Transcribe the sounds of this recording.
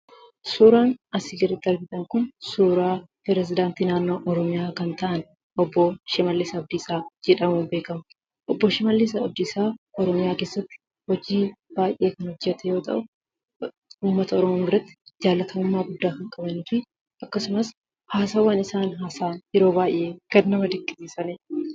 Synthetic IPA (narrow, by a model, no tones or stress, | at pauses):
suːɾaːnɐsɪɡɪrɪd̪ɐɾɡɪt̪ʼɐŋkʊnsuːɾaːpɛɾɛs̬ɪd̪aːnt̪iːnaːnːo̞ːʔɔɾɔmɪjaːkɐnt̪ɐʔɐn | ɔbːɔʃɪmɐlːisɐɔd̪iːsaːd͡ʒɛᶑɐmuːnbe̞ːkɐmɐ | ʔɔbːɔʃɪmɐlːis̬aɔd̪ɪsaːɔɾɔmɪjaːke̞ːsːɐt̪ːɪ̥ | hɔd͡ʒiːb̥aːjʔe̞ːkɐnhɔd͡ʒːɛt̪ɛjo̞ːt̪ɐ̰ʔʊ | uːmːɐt̪ɐɔɾɔmoːmɪrɐt̪ːɪ̥d͡ʒaːlːɐt̪ʰɐʊmːaːɡʊd̪ːaːhɪŋkʼɐbɐniːfɪ | ʔɐkːɐsʊmɐs | haːsaːwɐnɪsaːnɦaːsaːnjɛɾo̞ːbaːjʔeːkɐnːɐmɐd̪ɪkʼːɪsiːsɐnɪ